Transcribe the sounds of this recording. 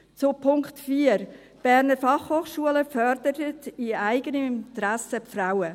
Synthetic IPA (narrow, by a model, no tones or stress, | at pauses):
t͡sʊpʰʊŋktfiːəɾ | b̥æɾnəɾfɑχhoːχʃuələfœɾd̥əɾətiaɪɡənəint̪ɾæsəfraʊə